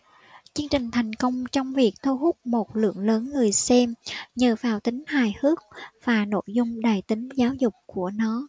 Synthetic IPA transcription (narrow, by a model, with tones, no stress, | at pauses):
t͡ɕɨ˧əŋt͡ɕï˨˩ŋ̟t̪ʰa˨˩jŋ̟kə˧wŋ͡mt͡ɕɔ˧wŋ͡mvi˨˩ək̚t̪ʰu˧ɦʊ˦˥k͡p̚mo˨˩t̚lɨ̰˧˩əŋləː˨˦nŋɨ˨˩əjsɛ˧mɲəː˨˩vaː˨˩wt̪ï˨˦ŋ̟haː˨˩jhɨ˦˥ək̚v̥aː˨˩no̰˧˩jzʊ˧ŋ͡mɗaː˨˩jt̪ï˨˦ŋ̟zaː˨˦wzʊ˨˩k͡p̚ku˧˩ənɔ˨˦